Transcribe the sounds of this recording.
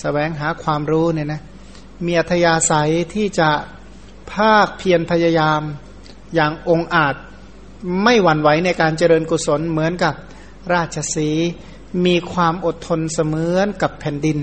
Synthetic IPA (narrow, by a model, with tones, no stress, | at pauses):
sa˧wɛː˩˦ŋɦaː˩˦kʰwaː˧mɾuː˦˥niː˥˩na˦˥ | miː˧ʔa˨˩t̪ʰːa˧jaː˧sa˨˦jt̪ʰiː˥˩t͡ɕa˨˩ | pʰaː˥˩k̚pʰi˧ənpʰa˧ja˧jaː˧m | jaː˨˩ŋʔo˧ŋʔaː˨˩t̪̚ | ma˥˩jwa˨˩˦nwa˩˦jna˧jkaː˧nt͡ɕa˧ɾɤː˧nku˨˩so˩˦nmɯ˩˦ənka˨˩p̚ | ɾaː˥˩t̪̚t͡ɕʰa˧siː˩˦ | miː˧kʰwaː˧mʔo˨˩t̪ʰːo˧nsa˧mɯː˨˦nka˨˩pʰːɛː˨˩ndi˧n